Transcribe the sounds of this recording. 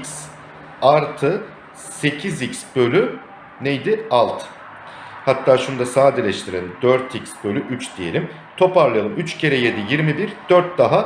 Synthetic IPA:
ikʲs | aɾt̪ʰɯ | se̞cʰizicsb̥ø̞lʲy | nejd̪ɪalˠt̪ʰ | hat̪ʰːaːʃund̪asaːd̪ilʲɛʃt̪ʰiɾelʲid̪øɾt̪icsbølʲyʔyt͡ʃd̪̥ije̞̰lʲim | t̪ʰo̞paɾlˠajalˠɯmyt͡ʃcʰe̞ɾɛje̞d̪ijiɾmibiɾd̪̥øɾt̪̚d̪aɦa

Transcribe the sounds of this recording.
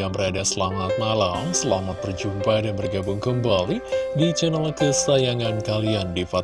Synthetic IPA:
aŋbəɾadasəlamat̪̚nalaŋsəlamat̪ːərd͡ʒumpadanbərɡabʊŋkəmbalidid͡ʒənalkəsajaŋankaliandifa

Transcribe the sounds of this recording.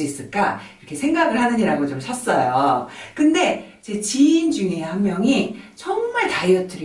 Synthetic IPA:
is͈ɯɭk͈aiɾʌkʰe̞sʰe̞ŋɡaɡɯɭhanɯɲiɾaɡot͡ɕomsʰas͈ʌjokɯnde̞id͡ʑe̞t͡ɕiːnd͡ʑuŋehanmjʌŋit͡ɕʌŋmaɭtaiʌt͈ʰɯɾ

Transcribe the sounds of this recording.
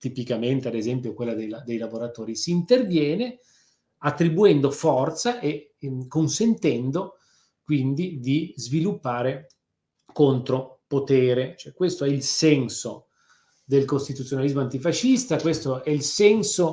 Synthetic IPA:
t̪ipikament̪ead̪ezɛmpjokwelːad̪ejlad̪ejlavoɾat̪oːɾisiːnt̪ervjɛːne | at̪ːɾibuɛnd̪ofɔrt̪saʔekonsent̪ɛnd̪o | kwind̪id̪izvilupːaːɾe | kont̪ɾopot̪eːɾet͡ʃoɛkwest̪oɛilsɛnso | d̪elkost̪it̪ut̪sːjonalizmoant̪ifaʃist̪akwest̪oɛilsɛnso

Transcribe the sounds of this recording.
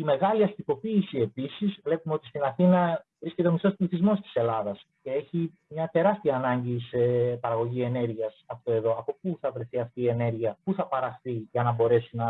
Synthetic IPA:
ime̞ɣɐliɐst̪iko̞piːsie̞pisizvle̞pumeo̞t̪ist̪inɐθinɐvɾisce̞t̪e̞o̞mist̪o̞spliθizmo̞st̪i̥se̞lɐðɐs | ce̞e̞çi | mɲɐt̪e̞ɾɐst̪iɐːnɐɲɟisepɐɾɐɣo̞ʝie̞ne̞ɾʝiɐsɐft̪o̞eðo̞ɐpo̞puθɐvɾe̞θiɐft̪iːe̞ne̞ɾʝiɐpuθɐpɐɾɐxθiʝɐnɐbo̞ɾe̞sinɐ

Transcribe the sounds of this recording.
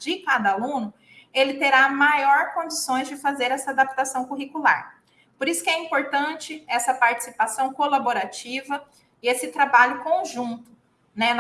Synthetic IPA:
d͡ʒɪkad̪ɐalũnʊ | elɪt̪eɾamajɔɾkõd͡ʒisõj̃zd͡ʒɪfazeɾɛsɐad̪ap̚t̪asɐ̃w̃kuɦikula̰ɾ | poɾisʊ̥kɪɛĩmpoɾt̪ɐ̃nt͡ʃɪɛsɐpaɾt͡ʃi̥sipasɐ̃w̃kolaboɾat͡ʃivɐ | ɪesɪt̪ɾabaʎʊkõʒũt̪ʊ̥ | nɛn

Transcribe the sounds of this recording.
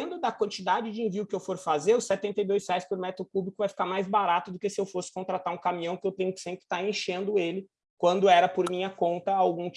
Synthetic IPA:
ẽnd̪ʊd̪ɐkwɐ̃nt͡ʃid̪ad͡ʒɪd͡ʒɪẽviʊkɪewfoɾfazeɾʊsɛt̪ẽnt̪ejd̪ojshɛajspʊɾmɛt̪ɾʊkublikʊvajfi̥kaɾmajzbaɾat̪ʊd̪ʊkesɪewfosɪ̥kõnt̪ɾat̪aɾũkamĩɲɐ̃w̃kɪewt̪ẽɲʊkɪ̥sẽmpɾɪ̥t̪aɾẽʃẽnd̪ʊelɪ | kwɐ̃nd̪ʊɛɾɐpoɾmĩɲɐkõnt̪ɐawɡũt͡ʃ

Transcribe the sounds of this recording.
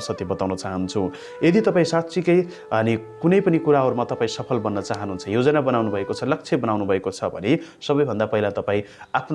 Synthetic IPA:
sʌt̪jibʌt̪aw̃nʌt͡saɦʌnt͡sʰu | jed̪it̪ʌpaĩsatt͡sʰikʌj | ʌnikunʌjpʌnikuɾaɦʌɾumat̪ʌpaĩsʌpʰʌlbʌnːʌt͡saɦʌnɦunt͡sʰʌjod͡zʌnabʌnawnubʱʌekot͡sʰʌlʌk̚t͡sʰjebʌnawnubʱʌekot͡sʰʌbʱʌ̰nesʌbʌjbʱʌnd̪apʌɦilat̪ʌpãĩ | apʰn

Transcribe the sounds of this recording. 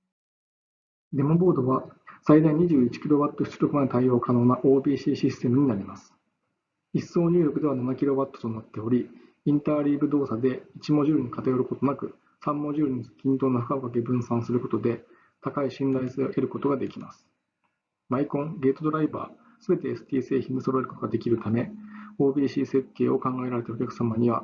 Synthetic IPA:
d̪e̞mobo̞ːd̪o̞βasaid̪aiɲ̟iʑɨːit͡ɕi̥kʲiɾo̞bat̪ːo̞ɕʰi̥t͡ɕɨ̥ɾʲo̞kɯ̟manet̪aio̞ːkano̞ːnaʔo̞ːbʲiːɕiːɕist̪e̞mɯ̟ɲ̟inaɾʲimasɨ̥ | iso̞ːɲ̟ɨːɾʲokɯ̟d̪e̞βananakʲiɾo̞bat̪ːo̥t̪o̞nat̪ːe̞o̞ɾʲi | ĩnt̪aːɾʲiːbɯ̟d̪o̞ːsad̪e̞it͡ɕimo̞ʑɨːɾɯ̟ɲ̟ikat̪ajoɾɯ̟ko̞t̪onakɯ̟ | sãmːo̞ʑɨːɾɯ̟ɲ̟ikʲĩnt̪o̞ːnoɸɯ̟kabokak̬e̞bɯ̟̃ɰ̃sãɰ̃sɨɾɯ̟ko̞t̪o̞d̪e̞ | t̪akaiɕĩnd̪aiseɾɯ̟ko̞t̪o̞ɡad̪e̞kʲima̰sɨ̥ | maikõ̞ŋɡe̞ːt̪o̞d̪o̞ɾaiba̰ː | sɨbe̞t̪e̞ːsɨ̥t̪ʲiːse̞ːçĩnd̪eso̞ɾoeɾɯ̟kot̪oɡad̪e̞kʲiɾɯ̟t̪ame̞o̞ːbʲiːɕiːse̞kːe̞ːo̞kãŋɡae̞ɾaɾe̞t̪ao̞kʲakɯ̥samaɲ̟iβa

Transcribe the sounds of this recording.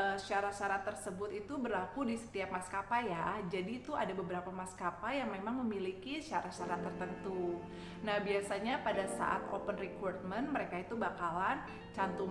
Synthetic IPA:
əʃaɾaʃaɾat̪ːərsəbʊt̪it̪ubərlakudisə̥t̪iap̚maskapajad͡ʒadit̪uadabəbəɾapamaskapajaŋmemaŋməmilikiʃaɾaʃaɾat̪ːərt̪ənt̪u | nahbiasaɲapadasa̰ʔa̰t̪o̰pənrikɔrt̪̚mənməɾekait̪ubakalan | t͡ʃant̪u

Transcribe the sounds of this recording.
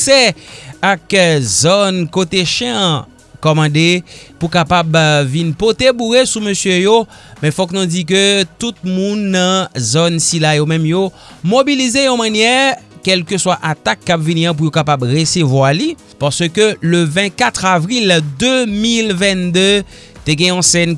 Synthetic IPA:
sɛakzɔnkot̪eʃɛ̃ɐ̃ | kɔmɑ̃d̪epukapabvinpot̪ebuʁesumøsjøjo | mɛ̃fɔknũd͡zik̬øt̪ut̪̚mũnːɐ̃zɔnsilajomɛ̃mjo | mobilizejɔ̃mãnjɛkɛlkəswaʔat̪akːapviniɐ̃p̬ujokapabʁesevwali | paʁsøkøløvɛ̃t̪̚kat̪χavʁild̪ømilvɛ̃nd̪ø | t̪eɡɛ̃jɔ̃sɛn

